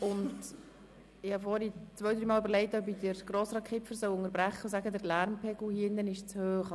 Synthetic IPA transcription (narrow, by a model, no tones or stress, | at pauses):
ʊnd | ɪhɑfɔɾit͡sʋœɥd̪ɾiːmɑːlybəɾlɛɪtœbidəɾɡ̥ɾɔːsɾɑːtkʰχɪfəɾsœʊʊŋəɾbɾæχːəsæɡədəɾlæɾmpʰɛɡl̩hiːɪndənɪʃt͡shøːχ